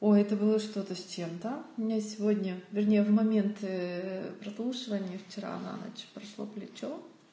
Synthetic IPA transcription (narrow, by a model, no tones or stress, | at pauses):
ojɛt̪əbɨlˠəʂt̪o̞t̪əsʲt͡ɕemt̪əʊmʲɪnʲasʲɪvodʲnʲəvʲɪrnʲejəvmɐmʲent̪ | pɾɐslˠuʂɨvənʲɪjəft͡ɕɪɾa̰na̰nɐ̰t͡ɕpɾɐʂlˠo̰plʲɪt͡ɕo